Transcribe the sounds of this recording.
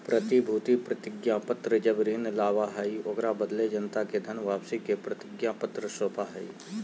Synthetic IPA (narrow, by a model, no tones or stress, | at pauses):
pɾət̪ibʱuːt̪ipɾət̪ɪɡjãpət̪ɾəd͡ʒɐbɾiːnlaːʋaɦɐioɡɾabəd̪led͡ʒənt̪aked̪ʱənʋaːpsikepɾət̪ɪɡjãpət̪ɾəsoːpaɦɐḭ